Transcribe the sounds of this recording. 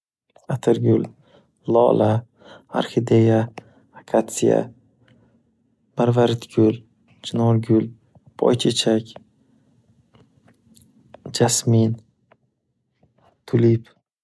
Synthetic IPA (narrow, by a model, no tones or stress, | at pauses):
at̪ʰɪɾɡʲʊl | lɒ̰lʔa | a̰ɾxid̪ejaː | kʰat̪sija̰ | b̥aɾvaɾɪt̪ɡʲʊl | d͡ʒɪnɒɾɡʲʊl | pʰɒ̰jt͡ʃʰet͡ʃʰakʲ | d͡ʒasmin | t̪ʰʊlip